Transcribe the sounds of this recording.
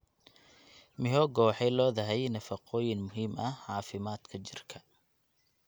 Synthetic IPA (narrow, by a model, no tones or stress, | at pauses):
mɪɦɔːɡɔwħɛjlɔːðɐɦɛjnɐfɐqɔːjɪnmʊɦiːmɐhʕɑːfɪmaːd̪kʰɐt͡ʃɪrkʰɐ̥